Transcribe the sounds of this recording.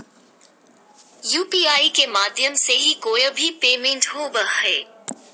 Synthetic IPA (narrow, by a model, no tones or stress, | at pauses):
juːpiːaːikemaːd̪ʱjəmseɦikoːjbʱipeːmẽɳʈɦobəheː